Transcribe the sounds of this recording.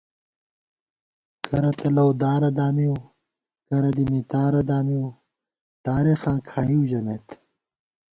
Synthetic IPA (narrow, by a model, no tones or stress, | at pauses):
kʰɐɾɐt̪ɐlɐwd̪aːɾɐd̪aːmiw | kɐɾɐd̪imit̪aːɾɐd̪aːmiu | t̪aːɾexaːkʰaːjiwʑɐmet̪